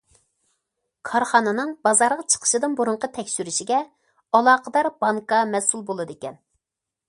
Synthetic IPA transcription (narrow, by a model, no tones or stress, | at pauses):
kʰɑɾχɑnɨnɨŋbɑzɑɾʁɑt͡ʃʰə̥qʰə̥ʃɨd̪ɨnbuɾuɴqət̪ʰɛkʲʃyɾyʃiɡʲɛ | ɑlˠɑːqəd̪ɑɾbɑŋkɑmɛsulˠbolˠɨd̪ekʲɛn